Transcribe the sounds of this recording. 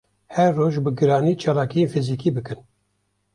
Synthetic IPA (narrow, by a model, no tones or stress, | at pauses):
hɛɾːoːʒbɨɡɨɾɑːniːt͡ʃʰɑːlɑːkijefiziːkiːbɨkɨn